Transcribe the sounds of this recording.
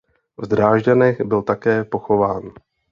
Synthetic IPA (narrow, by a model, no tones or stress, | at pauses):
vd̪ɾaːʒɟanɛɣbɪlt̪akɛːpo̞xo̞vaːn